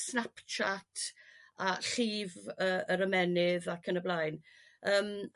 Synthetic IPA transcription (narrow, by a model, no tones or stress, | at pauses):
snapt͡ʃʰatʰaɬiːvəːəɾəmɛnɪðakʰənəblajn | əːm